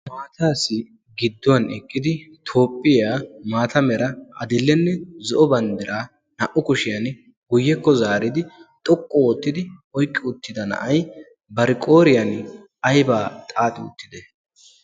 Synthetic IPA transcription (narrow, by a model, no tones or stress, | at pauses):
maːt̪ʰaːsɪ | ɡɪd̪ːɔwɐnɛkʼːɪd̪ɪt̪ʰo̞ːpʼːɪjaːmaːt̪ʰɐmɛɾɐʔɐd̪ɪlːɛnːɛzɔʔɔbɐnd̪ɪɾʔaː | nɐʔʊkʊʃɪjɐn | ɡʊjːɛkːɔzaːɾɪd̪ɪt̪ʼɔkʼːɔwɔt̪ːɪd̪ɪɔjkʼːɪʊt̪ːɪd̪ɐnɐ̰ʔɐj | bɐɾɪkʼo̞ːɾɪjɐn | ɐjbaːt̪ʼaːt̪ʼɪʊ̰t̪ːɪd̪ɛ